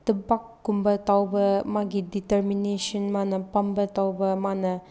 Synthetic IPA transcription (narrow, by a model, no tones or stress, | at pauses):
t̪əbakːumbət̪awbəmaɡidit̪ərmineʃɔ̃nmanəpãmbət̪awbəmanə